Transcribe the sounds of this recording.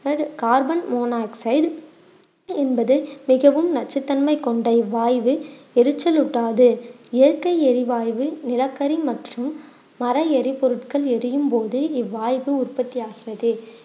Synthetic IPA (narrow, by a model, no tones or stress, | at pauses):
ɐɽkaːɾbɐnmoːnaːksɐɪɖ | ɛnbɐðɯmɪɣɐʋɯmnɐt͡ʃːɐt̪ːɐnmɐɪkːɔɳɖɐɪʋaːjʋɯɛɾɯt͡ʃːɐlʊʈːaːðɯɪjɐɾkɐɪɛɾɪʋaːjʋɯnɪlɐkːɐɾimɐʈrɯmː | ɐɾɐɛɾɪpɔɾɯʈkɐɭɛɾɯjɯmpoːðɯɪʋaːjʋɯʊrpɐt̪ːɪjaːɣɪrɐðɯ